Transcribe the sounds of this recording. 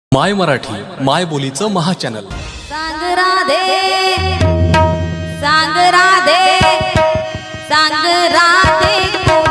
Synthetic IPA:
majməɾaʈʰiːmajbolit͡səməɦat͡ɕænə̰l | ɾaŋɡɾad̪ʱe | sãŋɡɾad̪e | sãɡɾad̪e

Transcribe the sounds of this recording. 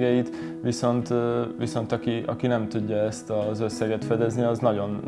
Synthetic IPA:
ɡɛjit̪ | ʋiso̞nt̪ʋiso̞nt̪ɒkiʔɒ̰kinɛmt̪uɟːɒɛst̪ɒzøsːɛɡɛt̪fɛd̪ɛzniɒznɒɟo̞n

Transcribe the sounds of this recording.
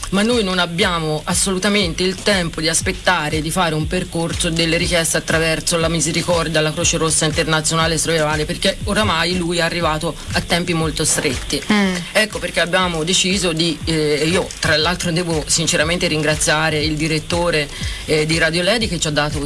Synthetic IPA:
manːojnonabːjaːmoʔasːolut̪ament̪eilt̪ɛmpod̪iaspet̪ːaːɾed̪ifaːɾeumperkorsod̪elːeɾikjɛst̪eat̪ːɾavɛrsolamizeɾikɔrd̪jalːakɾoːt͡ʃeɾosːaint̪ernat̪sːjonaːlest̪ɾoevaːleperkeoɾamajlujɛarːivaːt̪oat̪ːɛmpimolt̪ost̪ɾet̪ːiɛkːoperk̟eabːjaːmod̪et͡ʃiːzod̪iiːot̪ɾalːalt̪ɾod̪ɛːvosint͡ʃeɾament̪eɾiŋɡɾat̪sːjaːɾeild̪iɾet̪ːoːɾed̪iɾad̪jolɛːd̪iket͡ʃːad̪ːaːt̪o

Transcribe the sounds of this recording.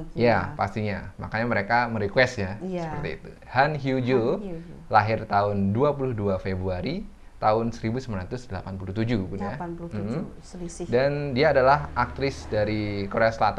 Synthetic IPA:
japa̰st̪iɲa̰ma̰kaɲaməɾekaməɾikwɛst̪ɲasəpərt̪ḭːt̪ṵ | hanɦjud͡ʒolaɦɪrt̪aʊnduapulʊhduafebɾuaɾi | t̪aʊnsəɾibusəmanɾat̪ʊsdəlapanpuluht̪ud͡ʒupunjah̩ | dandiaːdalaɦʔak̚t̪ɾɪsdaɾikoɾeasəlat̪a

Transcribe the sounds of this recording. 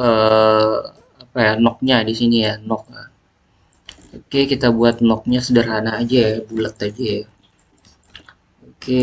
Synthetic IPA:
ʔəː | apajanɔk̚ɲadisinijanɔk̚a | okekit̪abuat̪̚nɔk̚ɲasədəɾɦanaːd͡ʒajbulət̪ad͡ʒaj | oke

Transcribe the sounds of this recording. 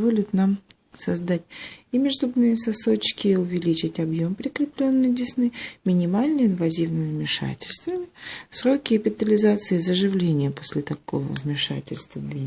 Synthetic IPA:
vo̞lʲɪt̪nam | sɐzd̪atʲɪmʲɪʐd̪ubnɨjəsɐso̞t͡ɕkʲɪːʊvʲɪlʲit͡ɕɪtʲɐbjo̞mpɾʲɪkɾʲɪplʲo̞nːɨjdʲɪsnɨmʲɪnʲɪmalʲnɨjɪnvɐzʲivnɨmʲɪvmʲɪʂa̰tʲɪlʲst̪vəmʲɪsɾo̞kʲɪːpʲɪt̪əlʲɪzat̪sɨːzəʐɨvlʲenʲɪjəposʲlʲɪt̪ɐko̞̰və̰vmʲɪʂa̰tʲɪ̰lʲst̪vəd̪vʲi

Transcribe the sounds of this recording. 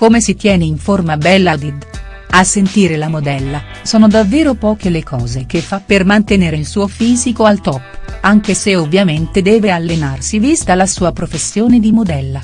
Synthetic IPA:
komesit̪jɛːneiɱformabɛlːad̪id̪ | asːent̪iːɾelamod̪ɛlːa | sɔːnod̪avːeːɾopɔːk̟elekʰɔːzek̟efːapːermant̪eneːɾeilsuːofiːzikoalt̪ɔpːaŋk̟eseovːjament̪ed̪ɛːvealːenarsivist̪alasuːapɾofesːjoːned̪imod̪ɛlːa

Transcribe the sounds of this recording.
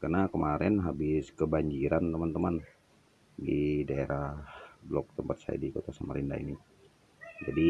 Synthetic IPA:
karnakəmaɾɛnɦabɪskəbaɲd͡ʒiɾant̪əmant̪əman | didaeɾahblɔk̚t̪əmpat̪̚sa̰ja̰dikot̪asamaɾinda̰ḭni | d͡ʒadi

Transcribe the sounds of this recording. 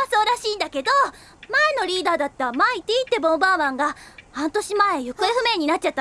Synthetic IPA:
asoːɾaɕiːnd̪ake̞d̪o̞ | maeno̞ɾʲiːd̪aːd̪at̪ːamait̪ːeit̪ːe̞bõ̞mbaːmãŋɡahãnt̪o̞ɕimae̞jɯ̟kɯ̟eɸɯ̟me̞ɲ̟inatt͡ɕ̚t͡ɕat̪ːa

